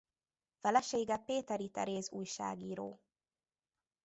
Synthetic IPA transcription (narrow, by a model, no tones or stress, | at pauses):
fɛlɛʃeːɡɛpeːt̪ɛɾit̪ɛ̰ɾeːzuːjʃa̰ːɡiːɾo̰ː